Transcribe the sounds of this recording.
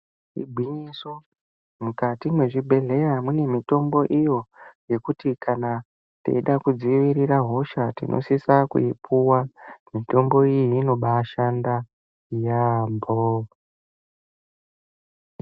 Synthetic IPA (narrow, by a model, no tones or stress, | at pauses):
ḭbʱwiɲiso | mukatimwe̞ʐibʱe̞ɮe̞jamune̞mito̞mbo̞ʔijo̞je̞kutikʰana | tḛiɗakud͡ziʋiɾiɾaɦo̞ʃatḭnʔo̰sisakṵipʰuwamito̞mbo̞iiːno̞ɓaʃanda | jambo